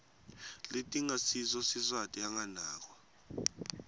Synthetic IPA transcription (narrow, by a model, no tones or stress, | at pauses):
letʼiŋasis̬ɔsisatʼiaŋanaːk̬wɔ